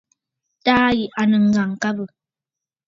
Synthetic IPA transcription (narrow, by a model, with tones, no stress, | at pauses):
taː˦ji˨ʔa˨nə˨ŋ̩˨ɡa˨ŋ˨ka˦bə˨